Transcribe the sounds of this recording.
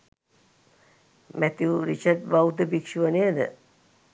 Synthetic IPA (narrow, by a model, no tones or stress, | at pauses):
mæt̪juɾit͡ʃəʈ̚bawt̪əbikʂiʋəneəd̪ə̰